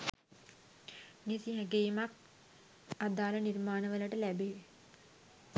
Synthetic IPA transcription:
nisiɦæɡejːmak̚ | ad̪aːlənirmaːnəʋələʈəlæbeː

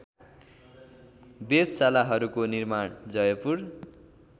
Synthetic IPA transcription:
bed̪salaɦʌɾukonirmaɳd͡zʌjʌpur

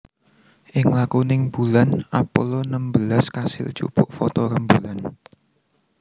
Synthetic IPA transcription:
ʔɪŋlakunɪŋbulanʔapɔlɔnəmbəlaskasɪ̰l̥ʒ̥ṵb̥ʊʔfɔt̪ɔɾəmbulan

